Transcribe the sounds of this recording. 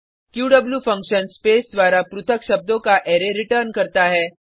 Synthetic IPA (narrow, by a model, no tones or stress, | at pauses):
kjuːɖəbljuːfə̃ŋkɕənspesd̪ʋaɾapɾut̪ʰəkɕəb̚d̪okaʔeɾeɾiʈəɾnkəɾt̪aɦɛ